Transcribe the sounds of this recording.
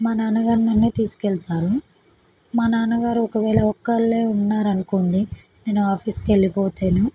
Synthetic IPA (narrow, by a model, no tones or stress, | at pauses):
maːnaːnɐɡaːɾinɐnːeːt̪iːsu̥kɛɭt̪aːɾu | maːnaːnɐɡaːɾuɔkɐʋɛːɭɐɔkːɐɭːeːunːaːɾɐnukoːɳɖi | ne̞ːnuaːpʰiːskeɭːipɔːt̪eːnu